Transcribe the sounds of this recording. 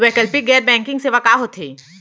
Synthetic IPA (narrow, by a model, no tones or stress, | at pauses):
ʋɛːkəlpiɡɛːɾbɛ̃ːŋkɪ̃ŋɡseʋɐkaːɦot̪ʰeː